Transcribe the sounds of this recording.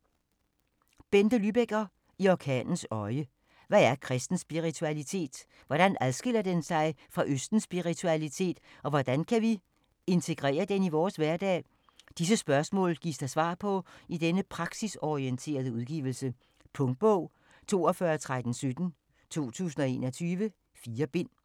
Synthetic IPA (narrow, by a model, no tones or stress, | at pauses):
b̥end̥əlyb̥eɡ̥ɐ | iɒkʰɛ̰ːnn̩sɒ̽ɪə | ʋææɐkʰʁɛsd̥n̩sb̥iʁit͡sʰuælit͡sʰe̝̰ːd̥ | ʋɒɾ̥ænʔæðˠsɡ̥e̝l̰ɐd̥ensɑ̈ɪfʁɑ̈ʔøsd̥n̩sb̥iʁit͡sʰuælit͡sʰe̝̰ːd̥ɒ̽ʋɒd̥ænkʰæʋi | e̝nt͡sʰe̝ɡ̥ʁɛ̰ːɐd̥eniʋɒːsʋæɐd̥ɛ̰ː | d̥is̬əsb̥ɶɐsmɔ̰̽ːlɡ̥ḭsd̥ɑ̈ɪsʋɑ̰̈ːpʰɒ̽id̥enəpʰʁɑ̈ɡ̥sisɒʁient͡sʰe̝̰ːɐðˠəuðˠɡ̥ḭːʋl̩sə | pʰɔ̽ŋd̥̚b̥ɔʊ̰ | t͡sʰo̝̰ːɒfɶːɐt͡sʰʁad̥n̩sød̥n̩ | t͡sʰo̝̰ːt͡sʰṵːs̬n̩ɒ̽e̝ːnɒ̽t͡sʰyːʋə | fiːɐb̥e̝n̰